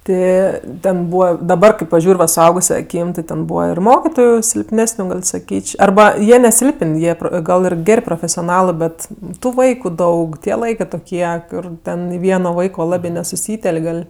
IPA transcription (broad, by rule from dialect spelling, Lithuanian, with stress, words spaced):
ˈtʲɪ ˈtʲɛn ˈbuːʋɐ dɐˈbɐr kɐɪ pɐˈʒʲuːrʲ ʋɐ sʊˈɐʊɡʊsʲɛ ɐˈkʲiːm tʲɪ tʲɛn ˈbuːʋɐ ɪr ˈmoːkʲɪtoːjʊ sʲɪlʲpʲˈnʲæːsʲnʲʊ ɡɐlʲ sɐˈkʲiːt͡ʃʲ ɐrˈbɐ ˈjiɛ nʲɛˈsʲɪlˠpənʲ ˈjiɛ ˈɡɐlˠ ɪr ˈɡʲɛrʲ proːfʲɛsʲoːˈnɑːlˠɜ ˈbʲɛt tʊ ˈʋɐɪkʊ ˈdɐʊk tʲiɛ ˈlˠɐɪkɜ toːˈkʲiɛ ˈkʊr ˈtʲɛn ɪ ˈʋʲiɛnoː ˈʋɐɪkoː ˈlˠɑːbʲɪ nʲɛsʊˈsʲiːtʲɛlʲkʲ ˈɡɐlʲ